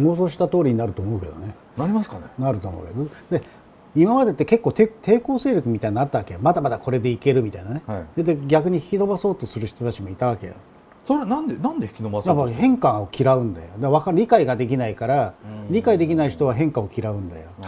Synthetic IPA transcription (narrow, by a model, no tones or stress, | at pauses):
moːs̬o̞ːɕ̬i̥t̪at̪o̞ːɾʲiɲ̟inaɾɯo̞ːmo̞ɯ̟ke̞̰d̪one | naɾimasknenaɾɯt̪o̞ːmo̰ɯ̰ke̞d̪od̪e | imamad̪e̞t̪ːeke̞kːo̞ːt̪et̪ʰe̞ːko̞ːse̞ːɾʲjo̞kɯ̟mit̪aiɲːat̪ːaβakejomad̪amad̪ako̞ɾe̞d̪e̞ike̞ɾɯ̟mʲit̪ainaned̪ed̪eɡʲakɯ̟ɲ̟içi̥kʲino̞baso̞ːt̪o̞sɨɾɯ̟çi̥t̪o̞t̪at͡ɕimo̞it̪aβ̞ake̞̰jo̰ | soɾenãnd̪enãnd̪eçi̥kʲinobasjapːahẽ̞ŋkaokʲiɾaɯ̟̃nd̪a̰jod̪aβakaɾʲikaiɡad̪e̞kʲinaikaɾaɾʲikaid̪e̞kʲinaiç̥t̪o̞β̞aɦẽ̞ŋkao̞kʲiɾaɯ̟̃nd̪ajo